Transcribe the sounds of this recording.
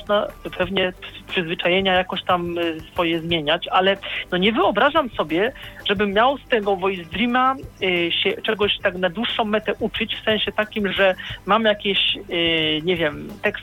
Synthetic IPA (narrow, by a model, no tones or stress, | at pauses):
ʐnapʰɛvɲɛpʂɘzvɘt͡ʂajɛɲajakɔɕt̪amsfɔjɛzmʲjeɲat͡ɕalɛnɔɲɛvɘɔbɾaʐamsɔbʲjɛʐ̥ɛbɘmːʲjawst̪ɛɡɔvɔjzd̪ɾimaɕɛt͡ʂɛɡɔɕt̪aknad̪wuʂːɔ̃w̃ːɛt̪ɛʔut͡ʂɘt͡ɕfsɛ̃ñɕɛt̪akʲimʐɛmamjakʲeɕ | ɲɛvʲjɛmt̪ɛks